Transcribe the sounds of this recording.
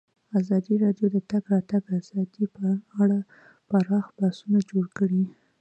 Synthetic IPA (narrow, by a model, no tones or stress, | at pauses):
azɑd̪iɾɑɖjod̪ət̪aɡɾɑt̪aɡazɑd̪ipəaɽa | paɾɑxb̥asunad͡ʒoɽkəɽi